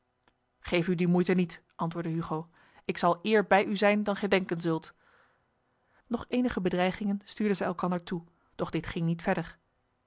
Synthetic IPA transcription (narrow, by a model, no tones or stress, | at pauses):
χejfydimujtənitʔɑntʋʊːɹdəɦyχow | ɪksɑlˠɪːɹbɛjyzɛjndɑnχɛjdɛŋkənzɵlˠt | nɔχejnəχəbədrɛjχɪŋənstyːɹdəzɛjɛlˠkɑndəɹtu | d̥ɔχdɪtχɪŋnitfɛɹdəɹ